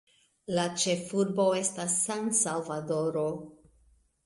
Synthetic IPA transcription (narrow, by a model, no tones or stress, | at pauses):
lat͡ʃe̞fuɾbo̞e̞stasːansalvado̞ɾo̞